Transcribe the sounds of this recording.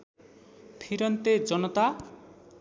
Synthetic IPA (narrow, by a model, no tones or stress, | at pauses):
pʰiɾʌnt̪ed͡ʒʌnʌt̪a